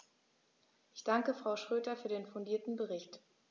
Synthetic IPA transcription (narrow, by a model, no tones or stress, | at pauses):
ʔɪçd̥aŋkəfʁ̥aʊʃʁ̥øːdɐfyːɐdeːnfʊndiːɐtn̩bəʁɪçt